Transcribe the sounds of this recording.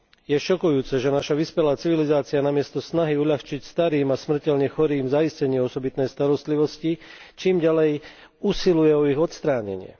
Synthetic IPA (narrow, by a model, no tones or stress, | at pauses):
jɛʃɔkujuːt͡sɛʒɛnaʃaʋispɛlaːt͡siʋilizaːt͡sianamɪɛst̪ɔsnaɦiuʎaxt͡ʃicst̪aɾiːmasmr̩cɛʎɲɛxɔɾiːmzajiscɛɲiːɔsɔbit̪nɛjst̪aɾɔst̪liʋɔscit͡ʃiːmɟalɛj | usilujɛɔiɣɔt̪st̪ɾaːɲɛ̰ɲɪɛ̰